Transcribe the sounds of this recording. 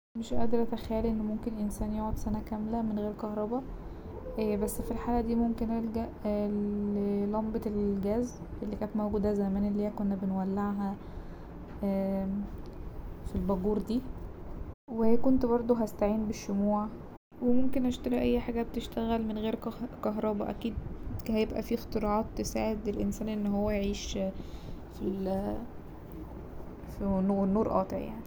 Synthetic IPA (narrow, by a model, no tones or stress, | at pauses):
meʃʔæ̰d̪ɑɾˤʔæt̪æxæjːliʔenːmomkenʔensæːnjoːʕod̪sænækæmlæmenɣeːɾkɑhɾˤɑbɑ | ʔbæsːfilħaːlæd̪iːmomkenʔælɡæʔ | lɑmbet̪elɡæːz | ʔelːikæːt̪mæwɡuːd̪æzæmæːnelːeːækonːæbenwælːeʕɦæ | filbɑɡuːɾd̪iː | weekont̪bɑɾˤd̪ˤoɦæst̪aʕiːnbeʃːomuːʕ | wemomkenhæʃt̪ɑɾiʔæjːħaːɡæbet̪eʃt̪æɣælmenɣeːɾkɑɦɾˤɑːbɑ̰ʔæ̰kiːd̪̚hæjebʔæ̰fixt̪eɾˤɑʕɑːt̪ːesaːʕed̪elʔensæːnʔenːɦowːæjeʕiːʃ | fil | finunːuːɾʔɑ̰ːt̪ˤeʕja̰ʕni